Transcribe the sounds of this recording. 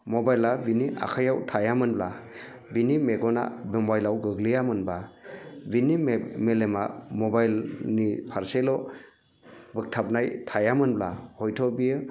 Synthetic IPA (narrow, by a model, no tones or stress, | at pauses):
mɔbajlabiniʔa̰kʰajawtʰajamɯnbla | binimeɡɔna̰bembajlawɡɯɡlijamɯnbabinimelemamɔbajlnipʰaɾselɔ | bɯk̚tʰap̚najtʰajamɯnblahɔjtʰɔbijɯ